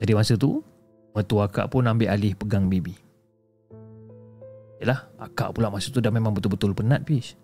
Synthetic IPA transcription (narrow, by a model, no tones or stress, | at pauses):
d͡ʒadimasət̪u | mət̪uaka̰ʔpʊnambɪʔalɪhpəɡaŋbibi | ijəlaha̰ka̰ʔpulaʔmasət̪udahmemãŋbət̪ulbət̪ʊlpənat̪̚pis